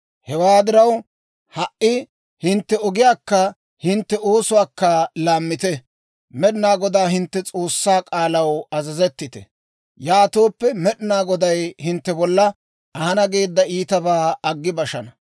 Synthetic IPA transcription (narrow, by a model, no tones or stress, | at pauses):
hɛwaːd̪ɪɾɐw | hɐʔɪ | hɪnt̪ːɛɔɡɪjaːkːɐ | hɪnt̪ːɛo̞ːsʊwaːkːɐlaːmːɪt̪ɛ | mɛɗɪnaːɡɔd̪aːɦɪnt̪ːɛt͡sʼo̞ːsːaːkʼaːlɐwɐzɐzɛt̪ːɪt̪ɛ̰ | jaːt̪o̞ːpːɛmɛɗnaːɡɔd̪ɐjhɪnt̪ːɛbɔlːɐ | ɐhɐnɐɡe̞ːd̪ːɐiːt̪ɐbaːɐɡːɪbɐʃɐnɐ